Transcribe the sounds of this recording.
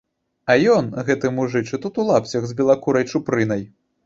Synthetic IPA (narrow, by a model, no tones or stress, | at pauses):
ɐjɔnɣɛt̪ɨmuʐɨt͡ʂɨt̪ut̪ulˠapsʲɐɣzbʲilˠakuɾɐjt͡ʂupɾɨnɐj